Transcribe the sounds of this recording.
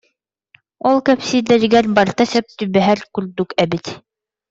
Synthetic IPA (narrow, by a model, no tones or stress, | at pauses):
ɔlˠkæpsid̪æɾɡæɾbɑɾt̪ɑsæp̚t̪ɵβæɦæɾkʉɾd̪ʉkæbɘt̪